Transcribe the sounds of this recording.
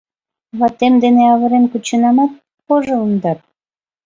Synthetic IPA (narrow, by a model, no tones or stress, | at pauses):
βɑt̪ːemd̪eneɑβə̆ɾemkut͡ɕənɑmɑt̪̚ | poʒound̪ɑt̪̚